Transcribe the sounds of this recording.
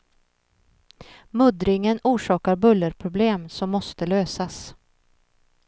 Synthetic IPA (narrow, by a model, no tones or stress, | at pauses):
mɵd̪ɾɪŋənuːʂɑːkaɾbɵlːəɾpʰɾʊbleːmsɔmːɔst̪əløːsas